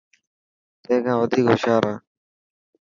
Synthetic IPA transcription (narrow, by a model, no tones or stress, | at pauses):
t̪ẽːkãːʋəd̪ʱiːko̰ːʃaːɾaː